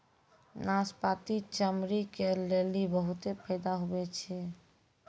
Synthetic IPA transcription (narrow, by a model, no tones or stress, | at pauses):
naspat̪it͡ʃəmɾikelelibəɦut̪epʰəjd̪aɦobɛt͡ʃʰɛ